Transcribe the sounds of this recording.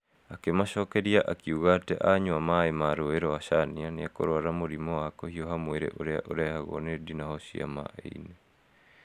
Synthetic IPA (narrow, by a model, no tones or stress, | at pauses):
akemaʃɔːkɛɾiaʔakiuɣatɛ̰ʔaɲwamaemaɾoeɾɔwaʃanianeako̰ɾwaɾamoɾimɔwakohiɔɦamweɾḛʔoɾea̰ʔoɾahaɣɔ̰nedinahɔɕia̰ma̰ʔḛine